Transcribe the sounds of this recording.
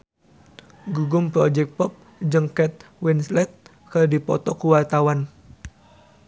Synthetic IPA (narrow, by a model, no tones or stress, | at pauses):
ɡuɡʊmpɾɔd͡ʒɛk̚pɔp̚ | d͡ʒəŋkɛt̪̚wɛnslɛt̪̚ | kərdipɔ̰t̪ɔkuwart̪awan